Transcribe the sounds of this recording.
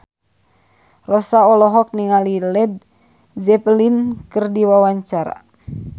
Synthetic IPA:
rɔsaɔlɔɦɔk̚niŋalilɛd̪̚ | zɛplinkɨrdiwawaɲt͡ʃaɾa̰

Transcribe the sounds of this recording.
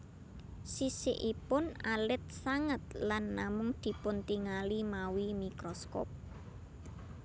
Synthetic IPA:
sisḛʔipʊnalɪt̪̚saŋət̪̚lanːamʊŋd̪̥i̤pʊnt̪iŋalimawimikɾɔskɔ̰p̚

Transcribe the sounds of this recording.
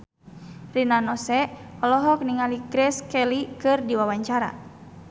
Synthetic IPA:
rinanɔsɛɔlɔɦɔk̚niŋaliɡɾɛskɛlikɨrdiwawaɲt͡ʃaɾa̰

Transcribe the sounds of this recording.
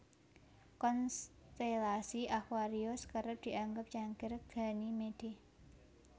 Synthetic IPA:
kɔnst̪elasiʔakwaɾiɔskəɾəp̚d̪̥i̤ʔaŋɡəp̚t͡ʃaŋɡɪrɡ̥a̤nimed̥eh

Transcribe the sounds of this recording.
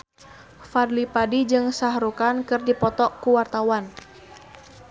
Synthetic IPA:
fadlipadid͡ʒɨŋsaɦɾukankɨrdipɔt̪ɔkuwart̪awan

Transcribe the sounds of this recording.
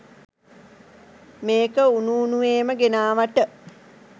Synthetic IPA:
meːkəunuːnuʋeːməɡenaːʋaʈə

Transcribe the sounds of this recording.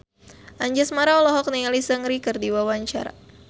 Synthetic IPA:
ʔaɲd͡ʒasmaɾaɔlɔɦɔk̚nialisəŋɾikərdiwawaɲt͡ʃa̰ɾa̰

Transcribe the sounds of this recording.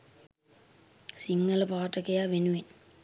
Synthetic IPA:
siŋːɐlpaːʈːɐkːɐjaːʋenuʋen

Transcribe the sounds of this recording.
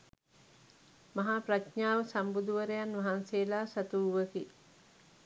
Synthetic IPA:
maɦapratɲaːʋəsambud̪uʋəɾejanʋaɦanseːlaːsat̪uʋəki

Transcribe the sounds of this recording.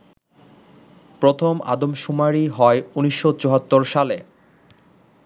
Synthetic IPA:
pɾot̪ʰoma̰d̪omʃumaɾiɦɔeuniʃːot͡ɕoɦat̪ːoɾʃale

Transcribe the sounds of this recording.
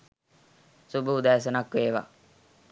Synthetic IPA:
subəud̪æːs̬ənakʋeːʋa̰

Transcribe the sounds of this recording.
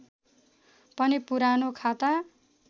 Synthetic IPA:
pʌnipuɾanokʰat̪a

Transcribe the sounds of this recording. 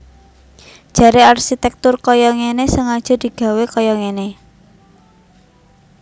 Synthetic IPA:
d̥ʒ̥a̤ɾearʃit̪ɛk̚t̪ʊrkɔjɔŋenesəŋad̥ʒ̥ɔ̤d̪̥i̤ɡ̥a̤wekɔjɔŋene

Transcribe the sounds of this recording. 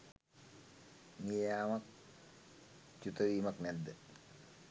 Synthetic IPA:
nieamak̚ | t͡ʃut̪oɾimaknɛd̪ːe

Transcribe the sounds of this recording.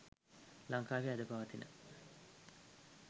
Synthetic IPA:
laŋkaːʋiad̪əpaʋət̪inə̰

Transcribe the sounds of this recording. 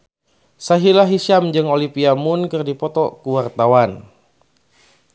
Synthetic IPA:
saɦilaɦiʃamd͡ʒɨŋolipiamunkɨrdipɔt̪ɔkuwart̪awan

